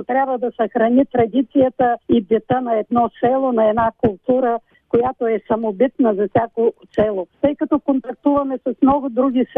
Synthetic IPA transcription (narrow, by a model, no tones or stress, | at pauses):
t̪ɾʲabvəd̪ɐsɐxɾɐnʲit̪ɾɐd̪it̪sijət̪əid̪ʲɛt̪ənɐɛd̪nɔsɛlˠonɐɛd̪nakʊlˠt̪uɾə | kojat̪oɛsɐmobit̪nəzɐfsʲakosɛlˠot̪ɤjkɐt̪ɔkont̪ɐk̚t̪uvɐmɛsɐsmnɔɡʊd̪ɾuɡʲis